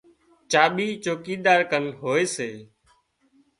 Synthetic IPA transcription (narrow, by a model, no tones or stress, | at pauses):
t͡ʃaːɓiːt͡ʃoːkiːɗ̪aːɾkənɦoːeːseː